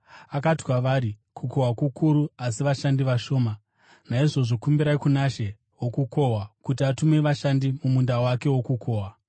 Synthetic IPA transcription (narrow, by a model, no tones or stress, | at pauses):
akatiwaʋaɾikʰuko̞ɦwakukʰuɾuasiʋaʃandiʋaʃo̞ːma | naiʐo̞ʐo̞kumbiɾaikunaʃe̞ | wokuko̞ɦwakutiatume̞ʋaʃandimumundawake̞wo̞kukʰo̞ːwa